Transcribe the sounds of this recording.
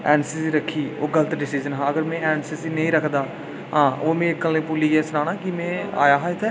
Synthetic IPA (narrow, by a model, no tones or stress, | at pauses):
ɛːnsisiːɾəkʰːiːoːɡələt̪ɖɪsɪːzənɦãːəɡəɾmɛ̃ːɛːnsiːsiːnə̃ĩːɾəkʰd̪aː | ɦãːʔoːmẽːkːəleːpuːliːɡɛːsnaːnaːkɪmɛ̃ːa̰ːjaːɦãːɪt̪ʰːɛː